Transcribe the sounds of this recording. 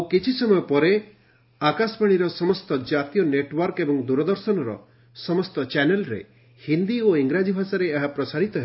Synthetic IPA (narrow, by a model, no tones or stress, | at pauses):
awkit͡ʃʰisɔmɔjɔpɔɾe | akaspaɽ̃iɾɔsɔmɔst̪ɔd͡ʒat̪ijɔneʈwɔɾkebɔŋd̪uɾɔd̪ɔɾsɔnɔɾɔ̰ | sɔmɔst̪ɔt͡ʃɛnelɾḛ | hind̪ioiŋɡɾad͡ʒibʱasaɾeːɦapɾɔsaɾit̪ɔɦe